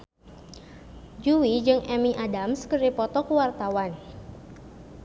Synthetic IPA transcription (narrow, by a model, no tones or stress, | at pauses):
d͡ʒuwid͡ʒɨŋʔɛmiʔadamskərdipɔt̪ɔkuwart̪awan